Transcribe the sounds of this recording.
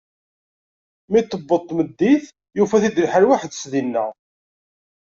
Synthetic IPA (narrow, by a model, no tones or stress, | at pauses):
mit̪ːəbːəðˤt̪ːməd̪ːiθ | jufæθid̪lħəɾwaħəd̪sðinːæ̰